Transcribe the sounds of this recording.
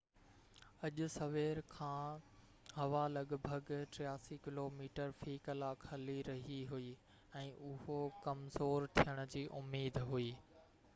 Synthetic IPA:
ɐʄʊ̆sɐʋeːɾkʰãː | hɐʋalɐɠbʱəɡʈɾɪjaːsikɪloːmiːʈəɾfiːkɐlaːkʰɐliɾɐɦiɦuiː | ɛ̃ːʔʊɦokɐmzoːɾt̪ʰijəɽ̃ʊ̆d͡ʑiːʔʊmiːd̪ɦuiː

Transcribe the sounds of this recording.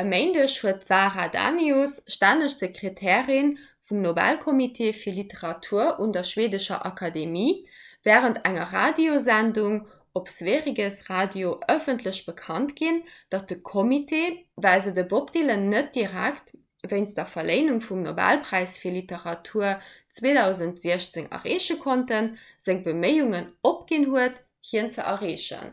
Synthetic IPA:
əmeɪnduəɐʃhuətz̥aːʁada̰ːnjosʃtaːnəʃz̥əkʁetʰɛːʁin | fumnobæ̰lkʰomitʰeːfiːɐlitəʁɑtʰuːɐʔundɐʃweːdəʃɐ̰ʔɑkʰɑdemiːvɛːʁəntʰæŋɐʁa̰ːdiozænduŋ | opsveːʁiɡəsʁaːdjoʔəfəntʰləɕb̥əkʰɑntɡ̥ind̥ɑt̚d̥əkʰomitʰeːvælzədəbopdeːlənət̚d̥iʁækt | vəɪnsd̥ɐfɐleɪnuŋfumnobæ̰lpʁ̥æɪsfiːɐlitəʁɑtʰuːɐt͡sweːdɑʊzəntz̥iɐɕt͡seŋɐ̰ʁeːɕəkʰontənz̥əŋbəməɪuŋənopɡ̥inhuət | hiənt͡səʔɐʁeːʃə̰n

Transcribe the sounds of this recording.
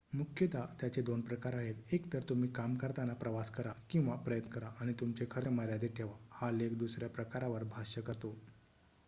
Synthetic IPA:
mukʰjət̪at̪jat͡ɕed̪onpɾəkaɾaɦelekt̪əɾt̪um̤iːkamkəɾt̪anapɾəʋaskəɾakĩw̃ʋapɾəjət̪nəkəɾaʔːɽ̃it̪umt͡ɕekʰəɾeməɾjad̪eʈ̪ʰeʋahalek̚d̪usɾjapɾəkaɾaʋəɾbʱaɕəkəɾt̪o

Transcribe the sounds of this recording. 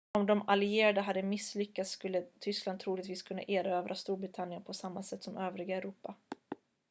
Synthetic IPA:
ɔmd̪ɔmalɪeːɾad̪əɦad̪ːəmɪslʏkːat̪sːkɵlːət̪ʰʏskland̪t̪ʰɾuːlɪɡ̚t̪viːskʰɵnːa̰ʔeːɾaøːvɾʔast̪uːɾbɾɪt̪ʰanjənpʰɔsamːasɛt̪ːsɔmøːvɾɪɡaɛɾuːpa

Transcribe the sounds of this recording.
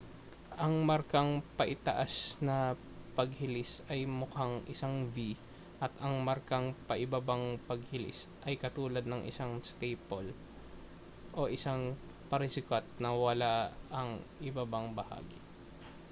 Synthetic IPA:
ʔɐŋmɐɾkaŋpɐʔɪt̪ɐʔasnɐ | pɐɡ̚hɪlɪsɐjmʊkaŋʔɪsaŋvi | ʔɐt̪ɐŋmɐɾkaŋpɐʔɪbabaŋpɐɡ̚hɪlɪ̰sʔɐjkɐt̪uːlɐd̪̚nɐŋʔɪ̰saŋst̪ejpol | ʔo̞ʔɪsaŋ | pɐɾɪsɪkat̪̚nɐwɐlaɐŋʔɪbabaŋbɐha̰ːɡɪ

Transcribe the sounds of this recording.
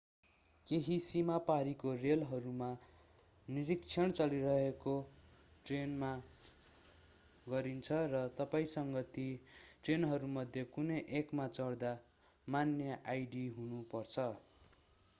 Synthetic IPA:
keɦisimapaɾikorelɦʌɾuma | niɾikt͡sʰʌɳt͡sʌliɾʌɦekoʈrenma | ɡʌɾint͡sʰʌrʌt̪ʌpaĩsʌŋɡʌt̪iʈrenɦʌɾumʌd̪ʱjʌkunʌjʔekmat͡sʌɽd̪a | manjʌʔajɖiɦunupʌrt͡sʰʌ

